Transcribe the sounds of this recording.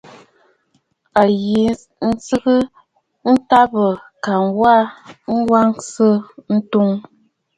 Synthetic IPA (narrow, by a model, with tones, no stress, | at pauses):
a˨ji˨ | n̩˦sɨ˦ɣɨ˦ | n̩˦ta˦bə˨ka˨ŋwa˦ŋ̩˦wa˦ŋsə˦n̩˦tu˦ŋ